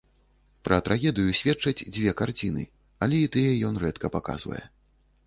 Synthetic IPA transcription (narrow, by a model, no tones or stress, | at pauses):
pɾɐt̪ɾʔaɣʲɛd̪ɨjusʲvʲɛt͡ʂɐd͡zʲd͡zʲvʲɛkart͡sʲinɨ̰ | ɐlʲɛit̪ɨjɛjɔnrɛt̪kɐpaka̰z̥vɐ̰jɛ̰